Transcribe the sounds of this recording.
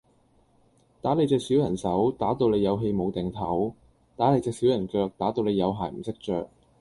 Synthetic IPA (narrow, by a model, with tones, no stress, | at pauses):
t̪aː˨˥le˨˧jt͡sɛː˧k̚si˨˥wjɐ˨˩nsɐ˨˥wt̪aː˨˥t̪o˧wle˨˧jɐ˨˧wɦe˧jmo˨˧wt̪ɛ˨˩ŋt̪ʰɐ˨˥w | t̪aː˨˥le˨˧jt͡sɛː˨˧ksiː˨˥wjɐ˨˩nkœː˧k̚t̪aː˨˥t̪o˧wle˨˧jɐ˨˧wɦaː˨˩jm̩˨˩sɪ˥k̚t͡ʃœː˧k̚